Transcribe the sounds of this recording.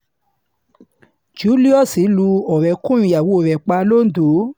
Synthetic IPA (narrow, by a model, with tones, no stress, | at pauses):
d͡ʒu˨˦li˦ɔ˦˨si˨˦lu˧ɔ˨ɾɛ˨kũ˦j̃ũ˧˨ja˨wo˨˦˨ɾɛ˨k͡pa˧lo˦˨n̩˦do˨˦